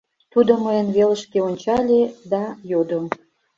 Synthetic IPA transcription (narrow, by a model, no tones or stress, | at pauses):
t̪ud̪oməjənβeləʃkeonʲt͡ɕɑlʲed̪ɑjod̪o